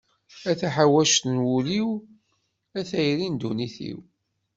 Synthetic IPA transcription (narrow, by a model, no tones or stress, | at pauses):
æθæħawæʃt̪nwuliw | æθæjɾind̪uniθḭw